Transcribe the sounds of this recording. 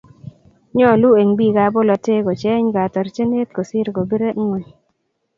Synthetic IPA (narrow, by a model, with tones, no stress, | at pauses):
ɲɔ˦˨lu˦e˨ŋbi˦˨ɡa˨˦bo˦lɔ˧tɪ˦ko˨t͡ʃɛ˦ɲɡa˨tɔ˨ɾt͡ʃe˦ne˦t̪̚ko˨si˦ɾɡo˨bi˦ɾe˦ŋwe˨ɲ